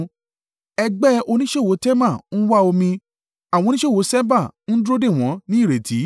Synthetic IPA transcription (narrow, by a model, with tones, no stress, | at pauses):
ɛ˧ɡ͡bɛ˦o˧nĩ˦ʃe˦˨wo˨˦tɛ˦mã˦˨ñ̩˦wa˦o˧mĩ˧ | a˨wɔ̃˧nĩ˦ʃe˦˨wo˨˦sɛ˦ba˦˨n̩˦dɾo˦de˦˨w̃ɔ̃˨˦nĩ˦˨ɾe˨ti˨˦